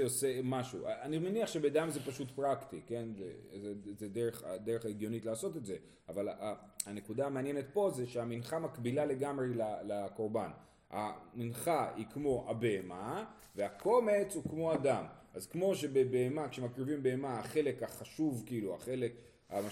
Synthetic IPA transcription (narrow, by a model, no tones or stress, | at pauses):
osemaʃṵaanimeniaχʃe̞bed̪amzepaʃut̪pʁakt̪ike̞nzḛzezedeʁeχad̪e̞ʁeχeɡjo̞nitlaːso̞tetze̞ | avala | ane̞kud̪aameanje̞net̪̚po̞zeʃeaminχamakbilale̞ɡamʁelalako̞ʁban | a̰minχaikmo̞ʔabe̞ema | veako̞me̞t͡shukmo̞adamʔazkmo̞ʃe̞bebe̞ːmakʃe̞makʁivimbe̞emaaχe̞le̞kaχaʃuvkiilua̰χe̞le̞k | a̰ma